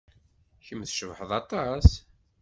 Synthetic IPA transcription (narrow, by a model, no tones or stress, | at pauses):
çəmːθʃəvħəðˤɑt̪ˤɑs